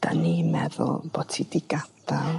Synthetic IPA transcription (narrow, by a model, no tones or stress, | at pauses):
d̥a̰nimɛðʊ̰lˠb̥otʰidɪɡad̥alˠ